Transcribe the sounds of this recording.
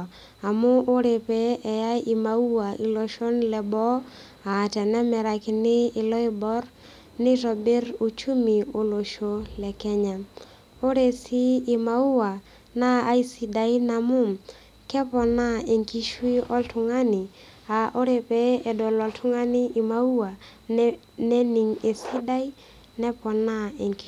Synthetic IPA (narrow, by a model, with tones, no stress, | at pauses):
a˨mʊ˦ʔo˦ɾe˨pɛː˦˨ja˦i˨ma˨u˦wa˨ʔi˨lo˨ʃo˦nlɛ˨bɔ˦ | a˨tɛ˨nɛ˦mɛ˨ɾa˨kɪ˨nɪː˦˨lɔ˦i˦bɔ˦r | nɪ˦ɾɔ˨be˦ɾu˨t͡ʃu˦mi˨o˨˦lo˨ʃo˦lɛ˨kɛ˦ɲa˨ | o˦ɾe˨siː˦˨ma˨u˦wa˨ | naː˦i˦si˨da˨i˦na˨mʊ˦m | kɛ˦pɔ˨na˦e˨ŋki˦ʃwi˦ɔ˦ltʊ˨ŋa˦nɪ˨ | a˨ʔo˦ɾe˨pɛ˦ɛ˨dɔ˨lɔ˨ltʰʊ˦ŋa˦nɪ˦i˨ma˨u˦wa˨ | nɛ˦ni˨ŋe˨si˦da˦i˦ | nɛ˦pɔ˨na˦ɛ˨ŋk